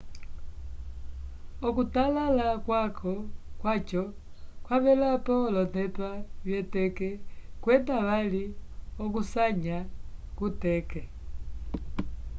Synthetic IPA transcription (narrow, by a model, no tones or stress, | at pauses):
ɔkutalalakwakʰɔkwat͡ʃɔ | kwaβɛlapɔlɔnɛpaβjɛtɛkɛkwɛndaʋaliɔkusaɲakutɛkɛ